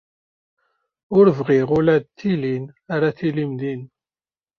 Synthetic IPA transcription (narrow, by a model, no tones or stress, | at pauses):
ʊɾvʁiʁʊlæd̪t̪ːilinaɾaθilimd̪in